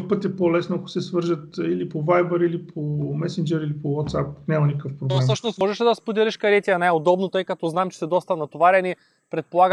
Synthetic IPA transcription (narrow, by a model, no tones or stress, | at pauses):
pɤt̪ʲɛpolɛsnoɐkʊ̥sɛsvɤɾʒət̪ilipovajbəɾilipʰomɛsɛnd͡ʒɛɾilipowɔt̪sap̚nʲamɐnikəfpɾob̪ɛmsɤʃnosmɔʒɛʃɛd̪ɐspod̪ʲɛlʲiʃkɐɾɛt̪ʲiɐnɛjod̪ɔbnot̪ɤjkɐt̪ɔznaɛmt͡ʃɛ̥sɛd̪ɔst̪ɐnɐt̪ovaɾɐni | pɾɛt̪̚polˠaɡ